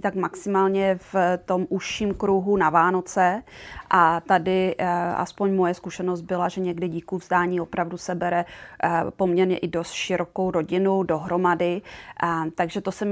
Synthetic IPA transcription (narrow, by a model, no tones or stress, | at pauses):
it̪akmaksɪmaːlɲɛft̪o̞mʔuʃiːmkɾuɦunavaːno̞t͡sɛʔat̪adɪʔa̰spo̞ɲmojɛskuʃɛnozt̪̚bɪlaʒɛɲɛɡdɪɟiːkuvzdaːɲiːo̞pɾavdusɛbɛɾɛ | po̞mɲɛɾɲɛ̰ʔɪdost̪ʃɪɾoko̞wɾo̞ɟɪnudo̞ɦɾo̞madɪ | t̪aɡʒɛt̪o̞sɛm